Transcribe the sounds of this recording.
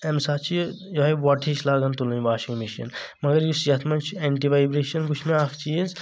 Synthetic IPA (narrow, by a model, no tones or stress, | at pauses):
emsaːt͡ʃʰi | joɦɐjʋaːʈʰit͡ʃʰlaːɡɐnt̪ulɐnʲʋaːʃiŋɡmiʃɐ̰nmɐɡɐɾjusd͡ʒɐt̪ʰmɐnt͡ʃʰeːɳʈiʋaːjbɾeːʃɐnɡut͡ʃʰmeaːkʰt͡ʃiːz